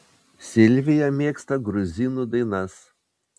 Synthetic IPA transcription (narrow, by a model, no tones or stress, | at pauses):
sʲɪlʲʋʲɪjɛmʲeːkst̪ɐɡɾʊzʲɪnud̪ɐɪnɐs